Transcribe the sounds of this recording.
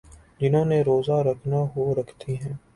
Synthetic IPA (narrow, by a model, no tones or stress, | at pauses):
d͡ʒɪnɦõːneɾoːzaɾɐkʰnaɦoɾɐkʰt̪ʰiɦɛ̃ː